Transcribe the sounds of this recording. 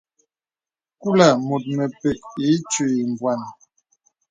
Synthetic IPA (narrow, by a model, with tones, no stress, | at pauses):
ku˦la˨mo˨t̚mə˨pɛ˨k̚i˨˦t͡ʃi˨i˨m˨bwa˨n˨